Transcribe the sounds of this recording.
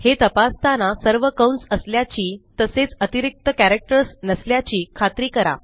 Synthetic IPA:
het̪əpast̪ʰanasəɾʋəkəwɳʈsəsljat͡ɕiːt̪əset͡sət̪iɾik̚t̪əkæɾek̚ʈəɾsnəsljat͡ɕiːkʰat̪ɾiːkəɾa̰

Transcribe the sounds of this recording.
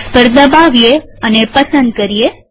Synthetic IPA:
b̥ʱəɾd̪əbaʋjeənepəsənd̪̚kəɾije

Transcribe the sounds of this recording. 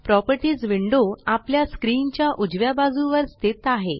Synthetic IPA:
pɾɔpəɾʈiːd͡zʋiɳɖoapljaskɾint͡ɕjaʔud͡ʑʋjabad͡zuʋəɾst̪et̪aɦe

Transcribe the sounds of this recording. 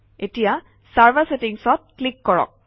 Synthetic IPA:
etija | saɹbasetiŋsɔt̚klikːɔɹɔ̰k̚

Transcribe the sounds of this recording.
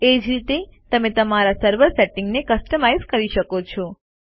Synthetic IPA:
ed͡ʒɾit̪et̪əmẽt̪əmaɾasəɾʋəɾseʈɪŋɡnekəsʈəmajzkəɾiʃəkot͡ʃʰɔ

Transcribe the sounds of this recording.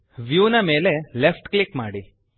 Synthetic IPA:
ʋjuːnɐme̞ːlelefʈklikmaːɽi

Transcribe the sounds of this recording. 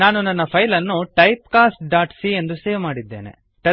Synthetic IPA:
naːnunɐnːɐpʰɐjlɐnːuʈɐjp̚kaːsʈ̚ɖaːʈsie̞nd̪useːʋmaːɽid̪ːḛːnḛ | ʈɐ

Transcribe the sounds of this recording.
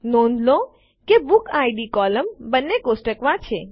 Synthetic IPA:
nõnd̪lõ | kebukaiɖikɔləmbənːekosʈəkʋãt͡ʃʰe

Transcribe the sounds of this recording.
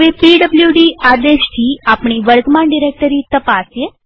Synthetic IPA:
ʋepiɖəbljuɖiad̪eʃt̪ʰiːapɳ̃iʋəɾɡmãɳɖiɾeːk̚ʈəɾit̪əpasje

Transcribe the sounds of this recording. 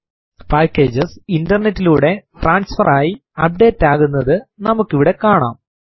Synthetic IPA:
paːkːe̞ːd͡ʑɐsindɐrnetːiluːɽe̞ʈraːnsfɐraːjiɐp̚ɖe̞ːtːaːɣunːɐðɨnɐmukːiʋiɽe̞kaːɳa̰ːm

